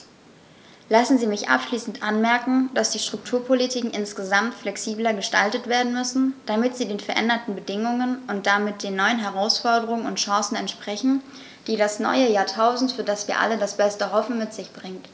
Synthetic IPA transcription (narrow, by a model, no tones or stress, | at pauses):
lasn̩ziːmɪçʔa̰pʃliːsn̩tʔanmɛɐkŋ̩d̥asd̥iːʃtʁ̥ʊk̚tʰuːɐpʰolitʰiːkŋ̩ʔɪnsɡ̥əzamtflɛksiːblɐɡəʃtaltətv̥eːɐdn̩mʏsn̩d̥amɪtz̥iːdeːnfɛɐʔɛ̰ndɐtn̩bədɪŋʊŋənʔʊnt̚d̥amɪt̚d̥eːnːɔʏənɦɛʁaʊsfɔɐdəʁʊŋənʊ̰ntʃɑ̃ːsn̩ɛntʃpʁ̥ɛçn̩ | d̥iːɾasnɔ̰ʏəjaːɐtʰaʊzn̩tfyːɐdasv̥iːɐʔa̰lədasb̥ɛstəɦɔfn̩mɪtz̥ɪçb̥ʁɪŋt